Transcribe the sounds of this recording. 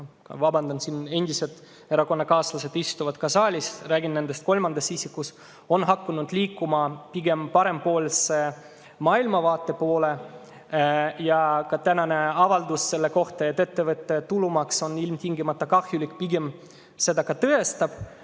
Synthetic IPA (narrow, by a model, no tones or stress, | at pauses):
kɑ̰vɑbɑnd̪ɑnsine̞nʲd̪̥ise̞d̪̥ | e̞ɾɑko̞nːɑkɑːslɑse̞d̪ist̪uvɑd̪̥kɑsɑːlʲisræːɡinne̞nd̪st̪̚ko̞lmɑnd̪̥ɑsisikːˑus | o̞nɦɑkːunud̪̥liːkːumɑpiɡ̥e̞mpɑɾe̞mpo̞ːlse | mɑːilmɑvɑːt̪ːˑe̞po̞ːle̞ | jɑkɑt̪ænɑne̞ɑvɑld̪usːe̞lːeko̞ht̪ɑet̪ːe̞t̪ːe̞vɤt̪ːe̞t̪ulumɑkso̞nilmt̪ʲiŋɡimɑt̪ːˑɑkɑhjulʲikˑpiɡe̞m | se̞d̪ɑkɑt̪ɤest̪ɑb̥